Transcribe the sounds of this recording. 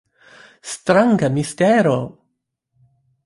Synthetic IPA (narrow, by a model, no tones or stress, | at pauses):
st̪ɾaŋɡamist̪eɾo